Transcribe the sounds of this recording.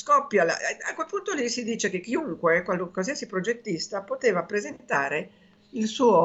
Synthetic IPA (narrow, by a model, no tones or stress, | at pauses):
skɔpːjala̰a̰kwelpunt̪olisid̪iːt͡ʃek̟ekːiuŋkwekwalkːalsiasipɾod͡ʒet̪ːist̪apot̪eːvapɾezent̪aːɾe | ilsuːo